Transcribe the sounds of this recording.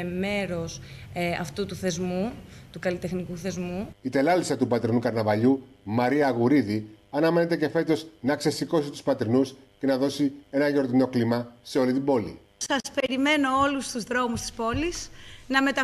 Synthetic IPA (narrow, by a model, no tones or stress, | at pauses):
me̞ɾo̞sɐ̰ft̪ut̪uθe̞zmut̪ukɐlit̪exnikuθe̞zmuit̪e̞lɐlisɐt̪upɐt̪ɾinukɐɾnɐvɐʎumɐɾiɐɣuɾiðiɐnɐme̞ne̞t̪e̞ce̞fe̞t̪o̞znɐkse̞siko̞sit̪u̥spɐt̪ɾinusce̞nɐðo̞sie̞nɐʝo̞ɾt̪ino̞klimɐse̞o̞lit̪ibo̞lḭ | sɐspe̞ɾime̞no̞olust̪uzðɾo̞must̪i̥spo̞lisnɐme̞t̪ɐ